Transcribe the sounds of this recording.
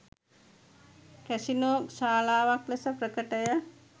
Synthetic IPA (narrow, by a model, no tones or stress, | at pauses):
kæsinoːsaːlaːʋaklesəprəkəʈəjə